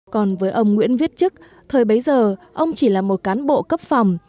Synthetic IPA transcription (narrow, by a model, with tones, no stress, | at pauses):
kɔ˨˩nvəː˨˦jʔə˧wŋ͡mŋwḭ˧˥ənvi˦˥ət̚t͡ɕɨ˦˥k̚ | t̪ʰəː˨˩jɓə˨˦jzəː˨˩ʔə˧wŋ͡mt͡ɕi˧˩laː˨˩mo˨˩t̚kaː˨˦nɓo̰˧˨kə˦˥p̚fa˨˩wŋ͡m